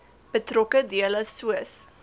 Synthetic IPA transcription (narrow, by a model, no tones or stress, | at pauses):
b̥ətrɔkədiələsuəs